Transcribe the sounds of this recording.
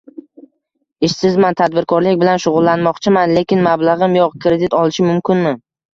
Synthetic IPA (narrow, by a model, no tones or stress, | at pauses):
ɪʃsɪzmant̪ʰad̪̚bɪɾkʰɒɾlɪkʲbɪlanʃʊʁʊlˠːanmɒqt͡ʃʰɪmanle̞kʲɪnmablˠaʁɨmjɒqkʰɾe̞d̪ɪt̪ɒlˠɪʃɪmʊmkʲɪnmɪ